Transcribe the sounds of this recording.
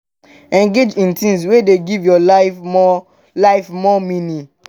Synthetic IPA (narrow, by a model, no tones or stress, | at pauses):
ɛ̃ŋɡed͡ʒĩntĩms̬wedeɡivjɔlaɔ | laɪfmɔmĩni